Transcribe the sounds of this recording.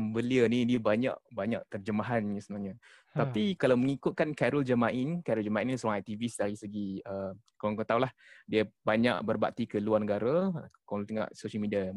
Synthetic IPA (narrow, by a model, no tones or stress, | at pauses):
mbəliənidiabaɲa̰ʔbaɲa̰ʔt̪ərd͡ʒəmaɦanjəsəənaɲa | t̪apikalawməŋikʊt̪̚kankɛɾuld͡ʒəmaʔinkɛɾuld͡ʒamaʔinsuɾaŋajt̪ivisdaɾisəɡiə | koaŋkət̪aulahdiəbaɲa̰ʔbərba̰ʔ̚t̪ikəluarnəɡaɾakoŋlut̪əŋa̰ʔsoʃəlmidia